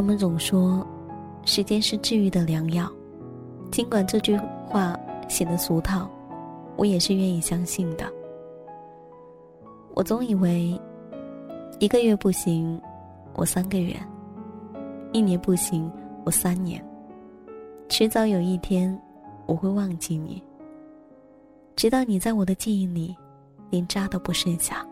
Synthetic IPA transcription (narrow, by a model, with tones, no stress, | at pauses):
a˧˥mə˧˨nt͡sʊ˨˩ŋʂwɔ˥ | ʂɻ̩˧˥t͡ɕjɛ˥nʂɻ̩˥˧ʈ͡ʂɻ̩˥˩y˧˥˩d̪ə˨ljɑ˧˥ŋjɑ˥˨˩ʊ | t͡ɕi˥ŋkwa˨˩nʈ͡ʂɤ˥˧t͡ɕy˥˧xwa˥˩ɕjɛ˨˩d̪ə˧˦su˧˥t̪ʰɑ˥˩ʊwɔ̰˧˥jɛ˨˩ʂɻ̩˥˧ɥɛ˥˩˧ni˨˩ɕjɑ˥ŋɕi˥˩nd̪ə˩ | wʔɔ̰˨˩t͡sʊ˧˥ŋi˨˩we˧˥ɪ | i˧˥ɡə˧ɥɛ˥˧pu˥˩ɕi˧˥ŋ | wʔɔ̰˨˩sa˥nɡə˨ɥɛ̰˥˩n | i˥˩njɛ˧˥npu˥˩ɕi˧˥ŋwɔ˨˩sa˥nnjɛ̰˧˥n | ʈ͡ʂʰɻ̩˧˥t͡sɑ˧˥ʊjo˨˩ʊi˥˩t̪ʰjɛ˥n | wɔ˨˩xwe˥˧ɪwɑ˥˧ŋt͡ɕi˥˩nḭ˨˩˦ | ʈ͡ʂɻ̩˧˥t̪ɑ˥˩ʊni˨˩t͡sa˥˩ɪwɔ˨˩d̪ə˦t͡ɕi˥˧ni˥˩ŋli˨˩ | ljɛ˧˥nʈ͡ʂa˥d̪ə˨˧pu˧˥ʂə˥˧nɕja̰˥˩